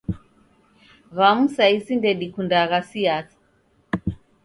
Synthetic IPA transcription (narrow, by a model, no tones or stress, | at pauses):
βamusaisindɛɗikundaɣasiaθi̥